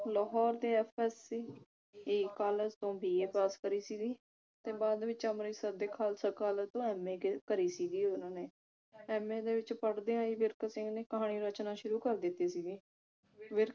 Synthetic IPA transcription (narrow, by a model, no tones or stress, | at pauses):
lɔːɦɔːɾd̪eːɛːpʰɛːsiː | eːkaːləzt̪õːbʱiːeːpaːskəɾiːsiːɡ̪iː | t̪eːbaːd̪ʋɪt͡ʃəmɾiːsəɾd̪eːkʰaːlsəkaːlət̪õːɛːmeːkkəɾiːsiːɡ̪iːʊnãːneː | ɛːmẽːd̪eːʋɪt͡ʃpəɽd̪ẽːãːiːʋɪɾkəsɪ̃ŋɡneːkəɦaːniːɾət͡ʃnaːʃʊɾuːkəɾd̪ɪt̪ːeːsiːɡiː | ʋɪɾ